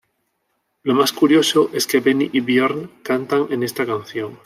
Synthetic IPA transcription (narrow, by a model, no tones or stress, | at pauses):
lo̞maskuɾjo̞soʔe̞ske̞βeniʔiβjeɾnkant̪aŋene̞st̪akanθjo̞ŋ